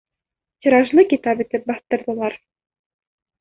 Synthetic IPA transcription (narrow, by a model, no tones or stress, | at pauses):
t̪ʲĭɾɑʒlˠɤkit̪ɑpɘ̆t̪ɘp̚bɑθt̪ɤ̆ɾðɤ̆lˠɑɾ